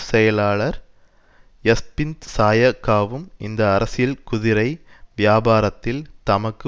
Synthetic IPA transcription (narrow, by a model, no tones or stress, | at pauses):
sɛjɐlaːɭɐɾ | jɐspɪnt̪saːjɐkːaːʋɯmɪnd̪ɐːɾɐsɪjɐlkʊðɪɾɐɪʋɪjaːbaːɾɐt̪ːɪlt̪ɐmɐkːɯ